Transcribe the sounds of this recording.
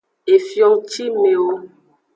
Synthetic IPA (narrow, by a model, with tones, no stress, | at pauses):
e˨fjɔ˦ŋt͡ʃi˦me˨wo˦